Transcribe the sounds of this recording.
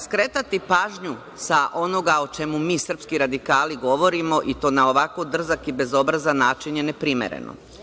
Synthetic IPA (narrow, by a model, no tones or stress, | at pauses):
skɾet̪at̪ipaːʒɲu | saʔo̞no̞ɡao̞t͡ʃe̞mumiːsr̩pskiɾad̪ikaːliɡo̞ʋo̞ɾimo̞ʔit̪o̞ːnao̞ʋakod̪r̩zakibe̞zo̞bɾazanaːt͡ʃiɲjenepɾimḛɾḛno̰